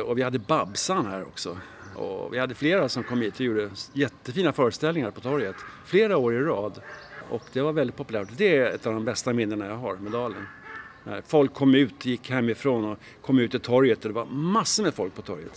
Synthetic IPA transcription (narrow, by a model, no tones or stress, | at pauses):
ɔvɪhad̪ːəbabsanhæːɾɔ̰ksɔ | ɔ̰vɪhad̪ːəfleːɾasɔmkʰɔmːhiːt̪ɔjuːɖəjɛt̪ːəfiːnafœːɾəst̪ɛlnɪŋaɾpɔt̪ʰɔɾjət̪fleːɾaoːɾɪɾɑːd̪ʔɔ̰kd̪ɛvaɾvɛlɪt̪pʰɔpɵlæːʈd̪ɛɛ̰t̪ɑvd̪ɔmbɛst̪amɪnːəɳajɑɦaɾmɛd̪ɑːlənnæ̰ɾfɔlkʰːɔmːʉ̟ːt̪jɪkːhɛmːɪfɾoːnɔ | kʰɔmːʉ̟ːt̪ɪt̪ʰɔɾjət̪ɔd̪ɛvaɾmasːəmɛfɔlk̚pʰɔt̪ʰɔɾjə̰t̪